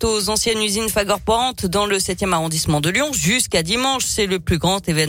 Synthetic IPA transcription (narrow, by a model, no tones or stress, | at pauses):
t̪ozɑ̃sjɛnyzinfaɡɔʁpɔʁɑ̃t̪d̪ɑ̃ləsɛt̪jɛmaʁɔ̃d̪ismɑ̃d̪əljɔ̃ʒyskad̪imɑ̃ʃsɛləplyɡʁɑ̃t̪evɛn